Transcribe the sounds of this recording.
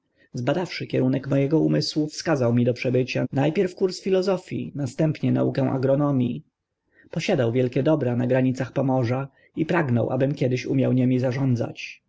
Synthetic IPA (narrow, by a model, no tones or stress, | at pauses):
zbad̪afʂɘkʲɛɾunɛkmɔjɛɡɔumɘswufskazawmʲid̪ɔpʂɛbɘt͡ɕanajpʲjɛɾfkuɾsfʲilɔzɔfʲjḭnast̪ɛmpɲɛna̰ukɛw̃ʔa̰ɡɾɔnɔmʲji | pɔɕad̪awvʲjɛlkʲɛd̪ɔbɾanaɡɾaɲit̪saxpɔmɔʐa | ipɾaɡnɔ̰wʔa̰bɘmkʲɛd̪ɘɕumʲjawɲɛmʲizaʐɔnd̪za̰t͡ɕ